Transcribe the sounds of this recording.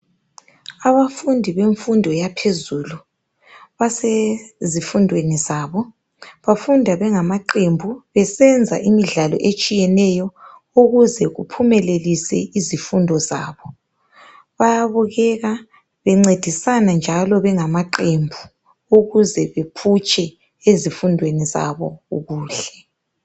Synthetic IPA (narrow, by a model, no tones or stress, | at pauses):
aβafundʱiβeɱfundʱɔjapʰezuːlu | βasezifundʱwenizaβɔ | βafundʱaβɛŋamaǃembʱuβɛsɛnd͡zʱa̰ʔimiɮalɔ̰ʔet͡ʃʼijɛnɛjɔ | uɣuzɛɣupʰumɛlelisɛ̰izifundʱɔzaːβɔ | βajaβuɣɛɣa | βɛŋ͡ǀed̥ʱisanand͡ʒʱalɔβɛŋamaǃembʱu | uɣuzɛβepʰut͡ʃʼɛ | ezifundʱweniza̰βɔ̰uɣuːɬɛ̥